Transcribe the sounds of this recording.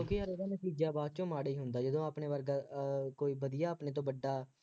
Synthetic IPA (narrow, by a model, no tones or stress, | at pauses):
õːkeːɦəɾeːɾaːnət̪iːd͡ʒaːbaːd̪̚t͡ʃõːmaːɽeiːɦʊnd̪aːd͡ʒəd̪õːaːpɳeːʋəɾɡaːkoːiːbəd̪ijaːəpnẽːt̪̬õːbəɖːaː